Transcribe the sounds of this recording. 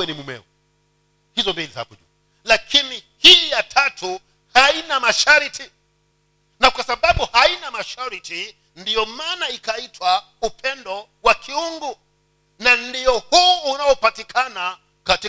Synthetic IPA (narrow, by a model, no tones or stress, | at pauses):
ɛnimumɛ̰u | hizɔmbiliza̰puʄṵ | lakʰini | hiːjatʰatu | hainamaʃaɾiti | nakwasaɓaɓuhainamaʃaɾiti | ndijɔmaːnaikaitʰwa | upʰɛndɔ | wakʰiuŋɡu | nandiɔhuːnaɔpatikʰana | kati